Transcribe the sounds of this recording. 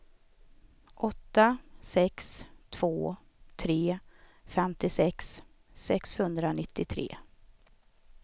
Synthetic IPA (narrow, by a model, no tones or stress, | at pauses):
ʔɔt̪ːasɛkst̪ʰv̥oː | t̪ʰɾeːfɛmt̪ɪsɛksː | ɛkshɵnd̪ɾanɪt̪ʰːɪt̪ʰɾḛː